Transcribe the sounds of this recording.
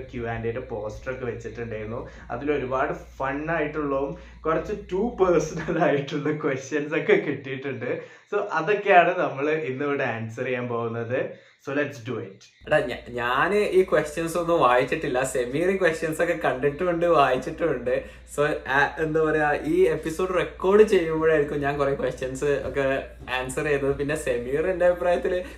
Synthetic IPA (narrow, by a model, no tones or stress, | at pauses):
kjuʋaːndeɾepo̞ːsʈrokːe̞ʋet͡ɕːiʈːuɳɖaːjɾunːu | ɐ̰ðilo̞ɾubaːɽɨfɐnːaːjiʈːuɭːɐʋum | kurɐt͡ɕːɨtuːpɐrsɐnɐlaːjiʈːuɭːɐkwesʈjɐnso̞kːe̞kiʈːijiʈːuɳɖɨ | so̞ːʔɐðo̞kːejaːɳɨnɐmːɐɭɨinːɨʋɨɽeaːnsɐrijaːmpo̞ːɣunːɐðɨ | so̞ːleʈsɖuiʈː | ɐɖeɲaɲaːnʔiːkwesʈjɐnso̞nːɨmʋaːjit͡ɕːiʈːilːɐse̞mjiːriŋkwesʈjɐnso̞kːe̞kɐɳɖiʈːɨuɳɖɨʋaːjit͡ɕːiʈːɨuɳɖɨ | soːaenːɨpɐɾeaʔiːepːiso̞ːɖɨrekːo̞ːrɖɨt͡ɕe̞jːumboɻaːjiɻikʲːumɲaːnkurekwesʈjɐnsɨo̰kːe̞ | aːnsɐrejunːɐðɨp̬inːe̞semjiːrendeɐbipraːjɐt̪ːil